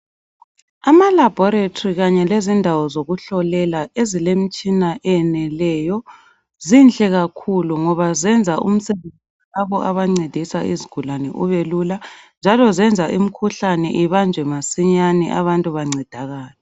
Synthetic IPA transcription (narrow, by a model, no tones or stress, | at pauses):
amalab̥ʱɔɾetʰʼriɣaɲɛlezindʱawɔzoɣuɬɔlɛlaezilem̩t͡ʃʼinaʔɛɛnɛlɛjɔ | zinɬʼɛɣakʰuluŋɔβazɛnd͡zʱaʔṵm̩sɛβend͡zʱilaβɔʔaβaŋ͡ǀed̥ʱisaʔḭziɡ̥ʱulanɛʔuβeluland͡ʒʱalɔzɛnd͡zʱaʔim̩kʰuɬanɛʔiβand͡ʒʱwɛmasiɲanɛ̰ʔaβantʼuβaŋ͡ǀid̥ʱaɣaːlɛ